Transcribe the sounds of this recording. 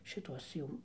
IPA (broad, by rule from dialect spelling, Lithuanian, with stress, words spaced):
ʃʲɪˈtuɔs ˈjuː